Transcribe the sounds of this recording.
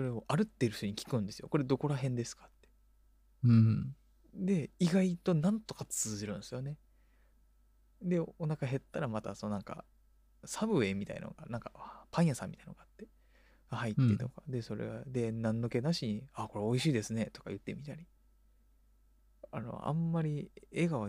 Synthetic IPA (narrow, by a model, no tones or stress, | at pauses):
so̞ɾe̞o̞ʔaɾɯ̟t̪ːeɾɯ̟ç̥oɲ̟ikʲi̥kɯ̟̃nd̪e̞sɨjo̞̰ko̞ɾe̞d̪o̞ko̞ɾaɦẽ̞nd̪e̞sɨ̥kḁt̪ːe̞̥ | d̪e̞iɡait̪o̞nãnt̪o̞kat͡sɨːziɾɯ̟̃nsɨjo̞ne̞ | d̪e̞onakaɦe̞t̪ːaɾamat̪a̰sononãŋka̰ | sabɯ̟e̞mʲit̪a̰ḭna̰o̰ɡa̰nãŋkapãĩjasãmʲːit̪ainoɡaat̪ːe̞ | ɡahait̪ːet̪o̞kad̪e̞so̞ɾḛɡad̪e̞nãnːo̞ke̞naɕiɲ̟iako̞ɾeo̞iɕiːd̪e̞sɨne̞t̪o̞kajɯ̟t̪ːe̞mʲit̪aɾʲi | a̰no̞̰ã̰mːaɾʲieɡao